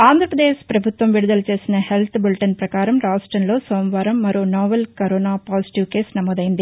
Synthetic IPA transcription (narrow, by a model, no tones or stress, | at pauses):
aːnd̪ʱɾɐpɾɐd̪eːʃpɾɐbʱut̪ʋɐmʋiɽud̪ɐlɐt͡ʃe̞ːsinɐɦe̞lt̪ʰbilʈɐnpɾɐkaːɾɐmɾaːsʈɾɐnlo̞ːsoːmʋaːɾɐmːɐɾoːnaːʋɐlkɐɾoːnaːpaːsi̥ʈiʋke̞ːsnɐmoːd̪ɐjind̪i